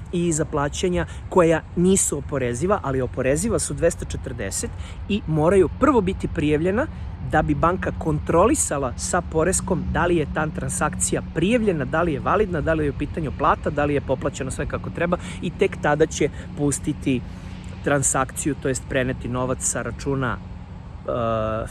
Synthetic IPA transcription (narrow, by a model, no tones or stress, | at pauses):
izaplˠaːt͡ɕeɲa | ko̞janiːsuopo̞ɾeziʋaʔalio̞po̞ɾeziʋasud̪ʋest̪at͡ʃet̪rd̪eset̪ | imo̞ːɾajupr̩ʋo̞bit̪ipɾijaʋʎe̞na | d̪abibaŋkako̞nt̪ɾo̞lisalˠasapo̞ɾesko̞md̪alijet̪ant̪ɾansakt̪sijapɾijaʋʎe̞nad̪alije̞ʋalid̪nad̪alijeupiːt̪aɲuplˠaːt̪ad̪alije̞po̞plˠat͡ɕe̞nosʋekako̞t̪ɾɛba | it̪e̞kt̪ad̪at͡ɕepust̪it̪i | t̪ɾansakt̪sijut̪ojest̪pɾenet̪ino̞ʋat̪ssaɾat͡ʂuːna̰